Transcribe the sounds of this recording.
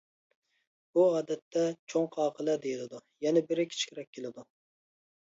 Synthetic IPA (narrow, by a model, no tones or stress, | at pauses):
b̥uɑːd̪ɛt̪ʰːɛt͡ʃʰoŋqʰɑːqʰəlˠɛd̪ejilɪd̪ujɛnɛbɪɾɪkʲʰi̥t͡ʃʰkʲɪɾɛk̚ʲʰːelɪd̪u